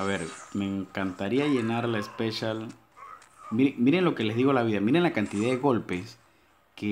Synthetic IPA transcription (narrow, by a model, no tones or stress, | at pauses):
aβe̞ɾme̞ŋkant̪aɾiaʝe̞naɾlaespeʃal | miɾemiɾe̞ŋlo̞ke̞le̞zðiɣo̞laβiðamiɾe̞nlakant̪iðaðeɣo̞lpe̞s | ke